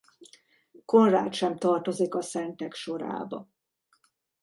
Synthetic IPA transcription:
ko̞nraːt̪ʃɛmt̪ɒrt̪o̞zikɒsɛnt̪ɛkʃo̞ɾa̰ːbɒ̰

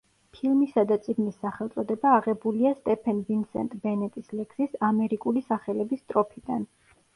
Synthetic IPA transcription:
pʰilˠmisad̪at̪sʼiɡnisːaχɛlˠt̪sʼɔd̪ɛbaːʁɛbuliast̪ʼɛpʰɛnvinsɛ̰nt̪ʼbɛnɛt̪ʼislɛkʰsisamɛɾikʼulisaχɛlɛbist̪ʼɾɔpʰid̪an

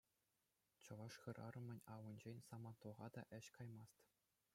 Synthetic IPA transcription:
t͡ɕɤ̆ʋɑʂχɤ̆rʔɑrɤ̆mʲɘ̆nʲɑwɤnʲd͡ʑenʲsɑmɑt̪uʁɑd̪ɑʔɘ̆ɕkɑjmɑst̪

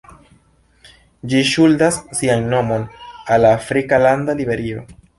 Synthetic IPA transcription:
d͡ʒiʃuldasːianːo̞mo̞nalːaːfɾikalandalibe̞ɾio̞

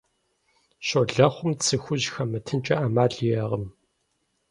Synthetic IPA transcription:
ɕɔɮɐχʷʊmt͡sʰɨxʷʊʑxɐmɨtʰɨnt͡ʃʼɐʔaːmaːɮjɛʁəm

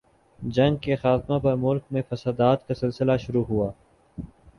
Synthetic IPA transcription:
d͡ʒɐ̃ŋɡ̚kexaːt̪mapɐɾmʊlk̚mẽfɐsad̪aːt̪kasɪlsɪlaʃʊɾuɦuaː

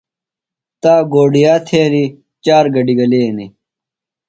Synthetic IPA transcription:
t̪aːɡoːɖijaːt̪ʰeːni | t͡ɕaːɾɡɐɖiɡɐleːni

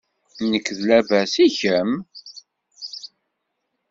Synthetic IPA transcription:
nəkːðlævæsiçəm

